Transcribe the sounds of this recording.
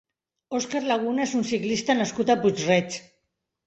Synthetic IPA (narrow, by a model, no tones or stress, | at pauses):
oskaɾlaɣ̞unaezunsiklist̪anaskut̪aput͡ʃrɛt͡s